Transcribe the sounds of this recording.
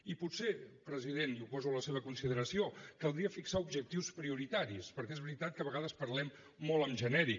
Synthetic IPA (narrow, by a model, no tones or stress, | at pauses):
iput̪sepɾəziðenupɔzuləseβ̞əkunsiðəɾəsiokəlˠd̪ɾiəfiksaubʒək̚t̪iwspɾiuɾit̪aɾispəɾkɛezβɾit̪at̪̚kəβəɣaðəspəɾlɛmː | ɔlˠəmʒənɛɾi